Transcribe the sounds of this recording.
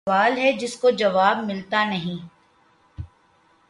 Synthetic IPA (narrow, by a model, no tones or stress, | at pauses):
aːlɦɛd͡ʒɪskod͡ʒɐʋaːbmɪlt̪anɐɦĩː